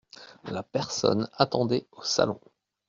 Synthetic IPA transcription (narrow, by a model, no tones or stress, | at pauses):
lapɛʁsɔ̰nat̪ɑ̃d̪ɛosa̰lɔ̰̃